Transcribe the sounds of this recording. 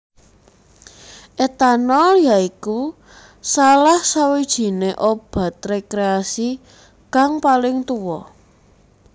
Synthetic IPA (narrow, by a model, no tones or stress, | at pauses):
ʔet̪anɔjaiku | salahsawid̥ʒ̥i̤neʔob̥ä̤t̪̚rekɾeasi | kaŋpalɪŋt̪uwɔ